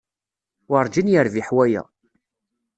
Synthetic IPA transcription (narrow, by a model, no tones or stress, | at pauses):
wɑɾˤd͡ʒinjəɾviħwæjæ̰